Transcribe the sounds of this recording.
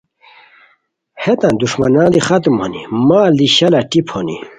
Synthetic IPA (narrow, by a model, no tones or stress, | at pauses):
het̪and̪uʃmanãːd̪ixat̪umo̰nḭmaliɕalaʈipʰonḭ